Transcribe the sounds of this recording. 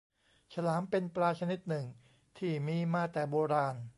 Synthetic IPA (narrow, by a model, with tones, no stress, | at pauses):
t͡ɕʰa˧laː˩˦mpe˧nplaː˧t͡ɕʰa˧ni˦˥t̪̚nɯ˨˩ŋ | t̪ʰiː˥˩miː˧maː˧˩t̪ɛː˨˩boː˧ɾaː˧n